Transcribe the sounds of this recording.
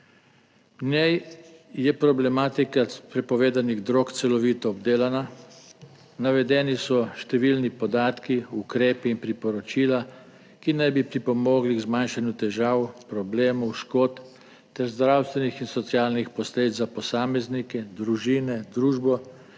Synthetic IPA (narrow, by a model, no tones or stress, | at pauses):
nɛjjɛpɾɔblɛmaːt̪ikapɾɛpɔʋeːd̪aniɣd̪ɾokt̪sɛlɔʋiːt̪ɔːb̚d̪eːlana | naʋɛd̪ɛːnisɔʃt̪ɛʋiːlnipɔd̪aːt̪kiukɾeːpiːnpɾipɔɾɔt͡ʃiːla | kinajbipɾipɔmoːɡliɣzmanʃanjut̪ɛʒaːwpɾɔbleːmɔwʃkoːt̪ | t̪ɛɾzd̪ɾawst̪ʋɛnixinsɔt̪sjaːlnixpɔsleːd̪izzapɔsaːmɛznikɛd̪ɾuʒiːnɛd̪ɾuːʒbɔ